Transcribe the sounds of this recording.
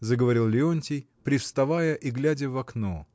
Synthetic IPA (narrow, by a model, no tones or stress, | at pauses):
zəɡəvɐɾʲilˠlʲɪonʲtʲɪjpɾʲɪfst̪ɐvajəʔiɡlʲadʲəvɐkno